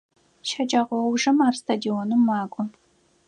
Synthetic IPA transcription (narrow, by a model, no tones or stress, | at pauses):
ʃʰɐt͡ʃʼaʁʷɔwʒɨmaːrstʰadionɨmːaːkʷʼʊ